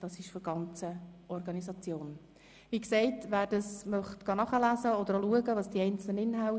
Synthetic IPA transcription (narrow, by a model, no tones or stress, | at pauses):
d̥ɑsɪʃfɾɡ̥ɑnt͡səʔɔɾɡɑnisɑt͡sjoːn | ʋiːksɛɪtʋæːɾd̥ɑsmœχtɡ̥ɑnɑχəlæːzəɔd̪əɾoluəɡəʋɑːsd̥iɛɪnt͡sl̩ənɪnɦaʊ